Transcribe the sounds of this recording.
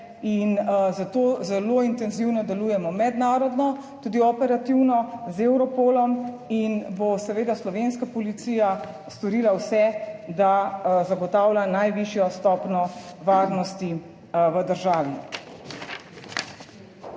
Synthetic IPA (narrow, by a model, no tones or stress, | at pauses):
inzat̪oːzɛloint̪ɛnziwnɔd̪ɛluːjɛmɔmɛd̪naːɾɔd̪nɔt̪uːd̪iɔpɛɾat̪iwnɔzewɾɔpoːlɔm | inbosɛʋeːd̪aslɔʋenskapɔlit̪siːja | st̪ɔɾiːlawsɛd̪azaɡɔt̪aːwlʲanajʋiʃjɔst̪ɔpnɔʋaːɾnɔst̪i | ʋəd̪əɾʒaːʋi